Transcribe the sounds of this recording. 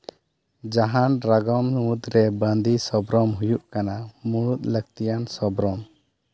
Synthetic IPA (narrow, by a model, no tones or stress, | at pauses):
d͡ʒaɦanɾaɡɔmud̪ɾɛbãnd̪isɔbɾɔmɦujuʔkanamuɽut̪̚ləɡ̚t̪ijansɔbɾɔm